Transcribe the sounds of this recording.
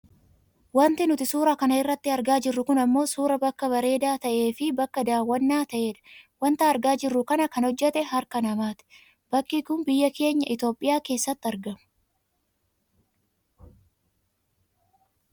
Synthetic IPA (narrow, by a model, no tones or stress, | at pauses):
wɐnt̪ɪnʊt̪ɪsuːɾɐkɐnɐɪrːɐt̪ːɪɐɾɡaːd͡ʒɪrːʊkʊnɐmːo̞ːsuːɾɐbɐkːɐbɐɾe̞ːd̪aːt̪ɐʔe̞ːfɪbɐkːɐd̪aːwːɐnːaːt̪ɐʔe̞ːᶑɐ̥wɐnt̪ɐɐɾɡaːd͡ʒɪrːʊkɐnɐkɐnhɔd͡ʒːɛt̪ɛɦɐɾkɐnɐmaːt̪ɪ̥ | b̥ɐkːiːkʊnbɪjːɐke̞ːɲːɐ̰ʔɪt̪o̞ːpʼːɪjaːke̞ːsːɐt̪ːɐɾɡɐmʊ̥